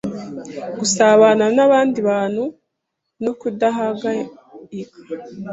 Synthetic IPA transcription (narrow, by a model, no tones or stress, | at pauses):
ɡusaβananaβaːndiβaːn̥hu | no̞kudaɦaɡa | ikḁ